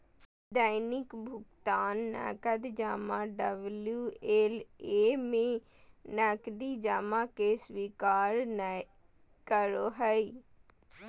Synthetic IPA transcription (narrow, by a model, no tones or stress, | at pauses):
d̪aːjnɪkbʱʊkt̪aːnːɛ̰ːkəd̪d͡ʒaːmãːɖəbljuːeːleːmẽ | nɛkd̪iːd͡ʒaːmãːkeswiːkaːɾn | kəɾoːɦəiː